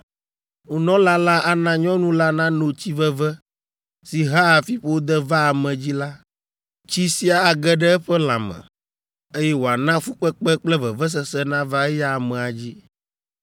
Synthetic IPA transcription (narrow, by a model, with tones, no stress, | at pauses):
ŋu˨nɔ̃˦la˦la˦ʔa˨nã˦ɲɔ̃˦nũ˦la˦nã˦no˨t͡ɕi˦vɛ˦vɛ˦ | si˨ɦa˦a˨fi˦ɸo˦wo˦d̪ɛ˦va˦a˨mɛ̃˨d͡ʑi˦la˦ | t͡ɕi˦si˦a˨a˨ɡɛ˦ɖɛ˦ɛ˦ɸɛ˦lã̰˨mɛ̰̃˨ | e˦jɛ˦wo˨a˨nã˦fu˦k͡pɛ˦k͡pɛ˦k͡plɛ˦vɛ˨vɛ˦s̬ɛ˨sɛ˦nã˦va˦ɛ˦ja˦˨mɛ̃˨a˨d͡ʑi˦